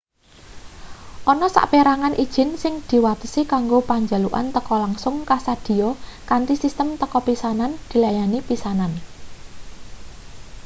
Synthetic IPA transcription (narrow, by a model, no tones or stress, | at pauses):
ʔɔnɔsa̰ʔpeɾaŋanʔid̥ʒ̥ɪ̤nsɪŋd̪̥i̤wat̪ə̥sikaŋɡopaɲd͡ʒa̤luʔa̰nt̪əkɔlaŋsʊŋkasad̪̥i̤ɔkant̪isist̪əmt̪əkɔpisanand̪̥i̤lajanipisanan